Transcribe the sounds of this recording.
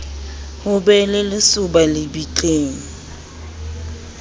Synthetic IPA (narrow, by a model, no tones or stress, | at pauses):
hʊbɛlɪlɪsʊbalɪbit͡ɬʼeːŋ̩